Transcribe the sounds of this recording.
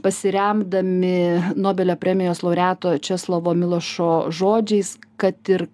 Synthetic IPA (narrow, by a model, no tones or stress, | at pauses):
pɐsʲɪɾʲɛmd̪ɐmʲɪnoːbʲɛlʲoːpʲɾʲɛmʲɪjoːslˠɐʊɾʲæːt̪oːt͡ʃʲɛslˠɐʋoːmʲɪlˠoʃoːʒoːd͡ʒʲɛɪskɐt̪ɪɾ